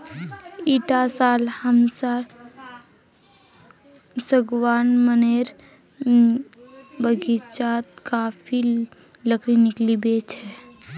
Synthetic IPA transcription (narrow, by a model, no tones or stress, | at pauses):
iʈasaːlhəmsa | səɡwaːnməneɾ | bəɡit͡ʃaːt̪̚kaːpʰi | ləkʰɾinɪklibet͡ʃʰɛː